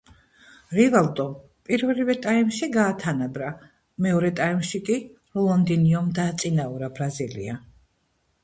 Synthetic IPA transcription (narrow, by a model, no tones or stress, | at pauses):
ɾivald̪ʼɔ | pʼiɾvlivɛt̪ʼaimʃiɡaːt̪ʰanabɾa | mɛɔɾɛt̪ʼaimʃikʼi | ɾɔlˠɔnd̪iniɔmd̪aːt̪sʼinaɔɾabɾazilḭa